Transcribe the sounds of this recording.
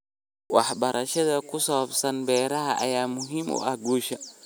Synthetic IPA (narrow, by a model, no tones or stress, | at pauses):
wʔahbaɾʔaʃɛdakusafsanbɛɾahaa̰jamuɦimṵaɡuʃa